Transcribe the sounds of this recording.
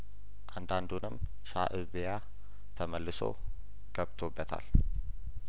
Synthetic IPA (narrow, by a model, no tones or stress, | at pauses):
ʔand̪and̪unɨm | ʃa̰ʔɨβja | t̪ʰəməlːɨso̞̰ | ɡ̥əβt̪ʰobːət̪ʰa̰l